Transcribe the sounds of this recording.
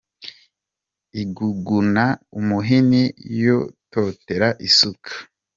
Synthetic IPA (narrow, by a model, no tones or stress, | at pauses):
iɡuɡunaumuɦinijoto̞ːte̞ɾaʔisukʰḁ